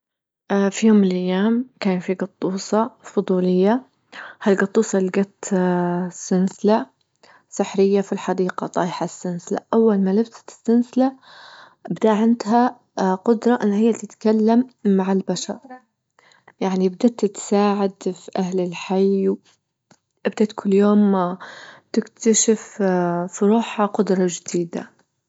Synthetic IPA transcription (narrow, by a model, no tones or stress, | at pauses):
ʔfijoːmːɪlʔajːaːmkaːnfiɡɑt̪ˤːuːsˤɑfʊd̪ˤuːlɪjːa | halɡɑt̪ˤːuːsˤɑlɡat̪ | sːɪnsɪla | sɪħɾɪjːafilħɑd̪iːqɑt̪ˤɑːħasːɪnsɪla̰ʔawːalmalɪbsḁsːɪnsɪla | bɪd̪aʔʕɪnd̪ɦa | qʊd̪ɾˤɑʔɪnːahɪjːat̪ɪt̪kalːamːaʕɪlbaʃɑ̰ɾɾˤ | jaʕnibd̪at̪ːt̪saːʕad̪fiʔahlɪlħajw | ʔɪbd̪at̪kʰʊlːjoːm | t̪ɪkt̪aʃɪffiɾuːħhaqʊd̪ɾˤɑd͡ʒɪd̪̥iːd̪a̰